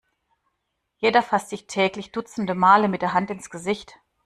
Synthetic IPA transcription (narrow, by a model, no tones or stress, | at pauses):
jeːdɐfastz̥ɪçtʰɛːklɪçd̥ʊt͡sn̩dəmaːləmɪt̚d̥eɐɦantɪnsɡ̥əzɪçt